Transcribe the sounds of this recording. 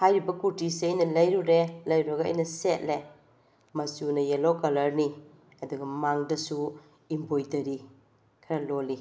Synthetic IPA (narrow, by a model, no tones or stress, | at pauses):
hajɾibɐkuɾtiseɐjnɐlɐjɾuɾelɐjɾuɾɐɡɐɐ̰jnɐset̚le | mɐsunɐjelokɐlɐɾni | ɐduɡɐmaŋdɐsu | imbojtɐɾi | kʰɐɾɐloli